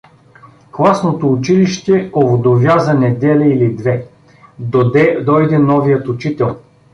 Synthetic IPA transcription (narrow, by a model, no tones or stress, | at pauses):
klˠasnot̪oːt͡ʃiliʃt̪ɛovod̪ovʲjazɐnɛd̪ɛliilid̪vɛ | ɛd̪ɔjd̪ɛnɔvijət̪ʊt͡ʃit̪ɛlˠ